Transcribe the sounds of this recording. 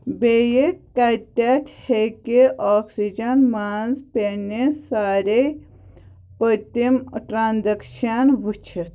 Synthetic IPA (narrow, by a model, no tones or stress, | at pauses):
bejekːɐt̪ʲat̪ʰhekeʔaːksid͡ʒɐnmaːnzpʲenesaːɾej | pət̪imʈɾaːnzɐkʃɐnʋut͡ʃʰit̪